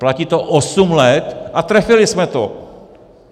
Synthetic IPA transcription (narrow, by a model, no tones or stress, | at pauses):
placiːt̪oʔosumlɛt̪ʔat̪ɾɛfɪlɪsmɛt̪o